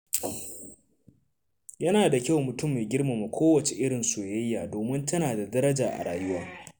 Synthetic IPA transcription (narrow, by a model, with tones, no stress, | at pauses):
jɐ˦naː˨da˨kʲa˦wmʊ˨tʊ˦mːeː˨ɡʲɪ˦rma˨ma˨kʷʰoː˦wɐ˨t͡ʃe˨ʔɪ˦ɽɪ˨nsu˨jɐ˦jːaː˨doː˨mɪ˦ntɐ˦naː˨da˨dɐ˦ɾɐ˦d͡ʒaː˨ʔa̰˨ɽaː˨jʊ˦waː˦